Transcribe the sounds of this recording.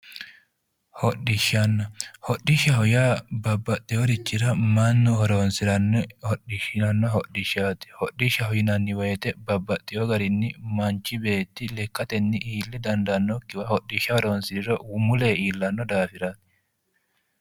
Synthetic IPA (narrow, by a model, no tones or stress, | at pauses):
hɔɗɪʃːɐnːɐhɔɗːɪʃːɐhɔjaːbɐbːɐt̪ʼːɪjoɾɪt͡ʃːɪɾɐmɐnːʊhɔɾoːnsɪɾɐnhɔɗɪʃɪnɐnːɔɦɔɗɪʃːaːt̪ɪ̥hɔɗːɪʃːɐhɔjɪnɐnːɪwɐjɛt̪ɛbɐbːɐt̪ʼːɪjɔɡɐɾɪnːɪmɐnt͡ʃːɪbeːt̪ːɪlɛkːɐt̪ɛnːɪʔiːlːɪd̪ɐnd̪ɐnːɔkːɪwɐhɔɗːɪʃɐhɔɾoːnsɪɾɪɾɔwʊmʊleːiːlːɐnːɔd̪aːfɪɾaːt̪ɪ̥